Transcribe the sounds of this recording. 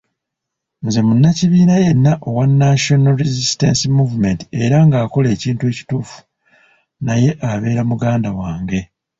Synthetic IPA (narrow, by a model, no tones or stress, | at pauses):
nze̞munːaciβiːnaje̞nːaʔo̞wanːaʃo̞naɾizistensimuːvume̞nti̥e̞ɾaŋɡaːko̞le̞ːciːntue̞ːci̥tuːfu̥ | naje̞ʔaβe̞ːɾamuɡaːndawaːŋɡe̞